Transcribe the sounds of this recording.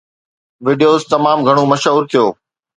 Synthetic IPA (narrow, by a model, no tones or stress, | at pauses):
ʋiɖijoːzt̪ɐmaːmɡʱɐɽ̃omɐʃɦuːɾt̪ʰijoː